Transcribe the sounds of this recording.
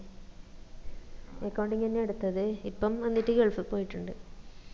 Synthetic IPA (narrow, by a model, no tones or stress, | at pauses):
ekːɐwɳɖiŋɐnːeeɽut̪ːɐðɨipːɐmɐnːitːɨɡeɭfɨpːoːjiʈːuɳɖɨ